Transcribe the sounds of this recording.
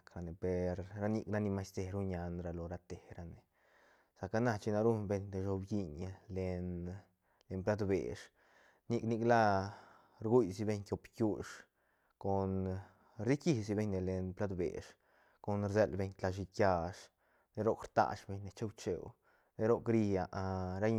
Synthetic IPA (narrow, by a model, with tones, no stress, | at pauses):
kɾa˧ne˨pe˨ɾːa˦ni˧kna˦ni˧ma˧˦jst̪e˧ɾu˦ɲa˧nɾa˧lo˨ɾa˧t̪e˨ɾa˧ne˨ | sa˨ka˦na˦˧t͡ʃi˧na˧ɾu˦nbe˧ɲd̪e˧ʃo˧bɡi˧ɲ˧le˧n | le˧mpla˦d̪bḛ˨ʂ | ni˧kni˧kla˦ | ɾɡu˦jsi˧be˧ɲkʲo˧pkʲu˦˧ʂ | ko˨n | ɾi˦ki˦si˧be˧ɲne˨le˧npla˦d̪bḛ˨ʂ | ko˨nɾze˧lbe˧ɲt̪la˧ʃ̬i˧kja˧ʂ | ne˦ɾo˦˧kɾt̪a̰˧ʂbe˧ɲne˧t͡ʃe˦wt͡ʃḛ˨w | ne˧˦ɾo˦kɾi˧a˨ʔɾa˦